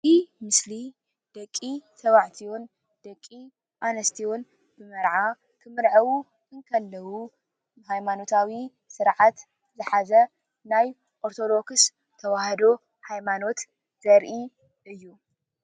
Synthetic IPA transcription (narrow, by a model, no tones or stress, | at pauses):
imɨsli | d̪̥ɐkʼːit̪ʰɐβaʕt̪ʰion | d̪̥ɐkʼːi | ʔanɐst̪ʰion | b̥ɨmɐɾʕa | kʰɨmɨɾʕɐwu | kʰɨŋkʰɐlːɐwu | hajmano̞t̪ʰawi | sɨɾʕat̪ | zɨħazɐ | naj | ʔoɾt̪ʰo̞d̪o̞kɨs | t̪ʰɐwahɐd̪o̞ | hajmano̞t̪ | z̥ɐɾʔi | ʔɨjːu